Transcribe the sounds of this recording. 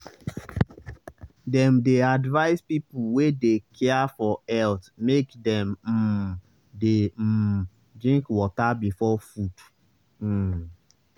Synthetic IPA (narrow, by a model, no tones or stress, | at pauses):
dɛ̃mdeadvaɪspipuwedekʰɛafɔɛltmekdɛ̃m̩ | de | dɹĩŋkwɔtabifɔfud̩